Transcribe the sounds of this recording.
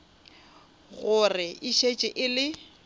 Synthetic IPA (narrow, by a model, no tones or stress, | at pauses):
ɣʊrɪʔɪʃet͡ʃʼɪʔɪlɪ